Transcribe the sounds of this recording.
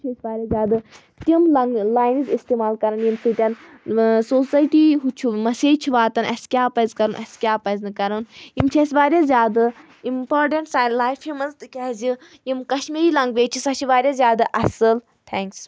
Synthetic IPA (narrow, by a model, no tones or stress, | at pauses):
t͡ʃʰesʲbaːɾʲaːzjaːd̪ɨ | t̪imlɐŋɡlaːjnizist̪eːmaːlkɐɾɐnjimsʰɨt̪ʲɐn | soːsaːjʈiɦut͡ʃʰumɐseːt͡ʃʰiʋaːt̪ɐnʔɐ̰skʲjaːpɐzkɐɾunʔɐ̰skʲjaːpɐznɨkɐɾɐnjimt͡ʃʰesʋaːɾjazʲjaːd̪ɨ | impoːɾʈẽɳʈsaːjlaːjfimɐnzt̪ɨkʲɐzi | jimkɐʃmiɾilɐŋɡʋeːt͡ʃʰisɐt͡ʃʰiʋaːɾjaːzʲjaːd̪aʔɐsɨl | t̪ʰɛ̃ŋks